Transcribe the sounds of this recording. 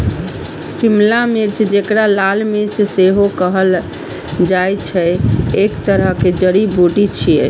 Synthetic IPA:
simlamiɾt͡ʃʰd͡ʒekɾalalmiɾt͡ʃʰseɦokəɦəl | d͡ʒajt͡ʃʰɛekt̪əɾəɦked͡ʒəɽiboʈit͡ʃʰiɛ̰

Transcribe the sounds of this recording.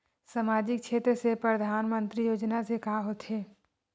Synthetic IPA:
səmaːd͡ʒɪkt͡ʃʰeːt̪ɾəsepɾəd̪ʱaːnmə̃nt̪ɾijoːd͡ʒnasekaɦot̪ʰɦeː

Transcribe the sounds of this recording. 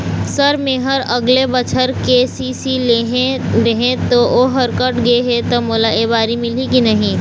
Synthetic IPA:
sɐɾmeːɦəɾɐɡlebɐt͡ʃʰəɾkesiːsileɦẽɾɐɦẽt̪oʔoɦɐɾkəʈɡɐeɦet̪omoːlaeːbaːɾimɪlikinɐɦĩː

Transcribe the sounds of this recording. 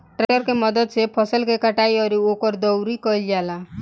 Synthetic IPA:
ʈɾejɔɾkemɔd̪ɔd̪sepʰɔsɔlkekaʈajɔɾiokɔɾd̪ɔwɾikɔjala

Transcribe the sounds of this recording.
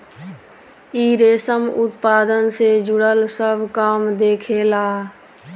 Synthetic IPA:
iːɾeːsəmʊt̪paːd̪ənsed͡ʒʊɽəlsəbʱkaːmd̪eːkʰelaː

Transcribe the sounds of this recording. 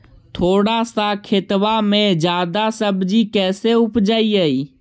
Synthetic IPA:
t̪ʰoːɽasakʰet̪ʋamẽd͡ʒjaːd̪asəbd͡ʒikɛːseʊpd͡ʒaːiəiː

